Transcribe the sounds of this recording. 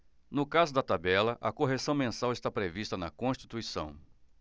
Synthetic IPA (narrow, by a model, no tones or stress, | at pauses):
nʊkazʊd̪ɐt̪abɛlɐʔɐkoɦesɐ̃w̃mẽsawɪst̪apɾevist̪ɐnɐkõst͡ʃi̥t̪uisɐ̃w̃